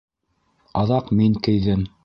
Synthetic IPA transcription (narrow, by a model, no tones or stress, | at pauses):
ɑðɑqmiŋkɘ̆jðɘm